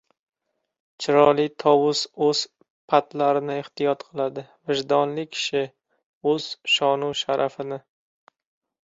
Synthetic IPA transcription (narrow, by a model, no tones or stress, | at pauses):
t͡ʃʰɪɾɒlˠɪt̪ʰɒwʊz̥ɵz̥ | pʰat̪laɾɪnɪɪht̪ɪjɒt̪qʰɨlˠad̪ɪvɪʒd̪ɒnlɪkʲʰɪ̥ʃɪ | ɵz̥ʃɒnuʃaɾʔafɪnɪ